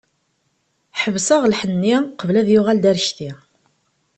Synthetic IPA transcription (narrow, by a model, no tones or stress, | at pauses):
ħəvsəʁlħənːiqəvlæðjuʁæld̪æɾʃt̪i